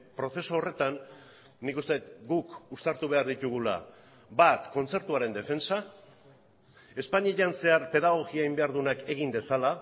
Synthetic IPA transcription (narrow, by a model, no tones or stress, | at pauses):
pɾo̞θe̞soːre̞t̪anː | ikust̪eet̪ɡukust̪aɾt̪uβ̞e̞aɾðit̪uɣ̞ula̰ | bat̪ko̞nt͡se̞ɾt̪uaɾe̞nd̪e̞fe̞nt͡sa | e̞spaɲieʎanse̞aɾpe̞ðaɣ̞o̞ɣiaimbe̞aɾðunake̞ɣimd̪e̞sala